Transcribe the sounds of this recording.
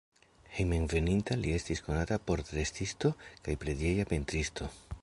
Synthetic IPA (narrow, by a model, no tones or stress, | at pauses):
hejmenve̞nintalie̞stisko̞natapo̞ɾtɾe̞stisto̞kajpɾe̞dje̞japentɾisto̞